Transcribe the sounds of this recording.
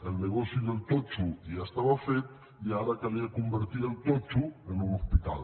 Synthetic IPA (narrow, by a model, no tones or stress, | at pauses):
əlˠneɣ̞ɔsiðəlˠt̪ot͡ʃujast̪aβafet̪ | iaɾakaliakumbəɾt̪iɾəlˠt̪ɔt͡ʃuənunuspit̪a̰lˠ